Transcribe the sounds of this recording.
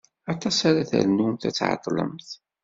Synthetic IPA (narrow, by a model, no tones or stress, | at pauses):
ɑt̪ˤɑsaɾaθæ̰ɾnunt̪æ̰t͡sːʕɑ̰t̪ˤːlə̰mθ